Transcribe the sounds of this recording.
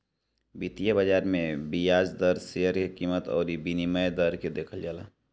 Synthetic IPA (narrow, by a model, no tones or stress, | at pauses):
bit̪ijabəd͡ʒaːɾmẽbijaːd͡ʒd̪əɾseɦəɾkekiːmət̪ɔ̰ːɾibiniməjd̪əɾked̪eːkʰəld͡ʒaːlaː